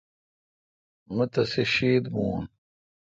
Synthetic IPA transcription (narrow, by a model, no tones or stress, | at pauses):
mɐt̪ɐseɕiːd̪mṵːn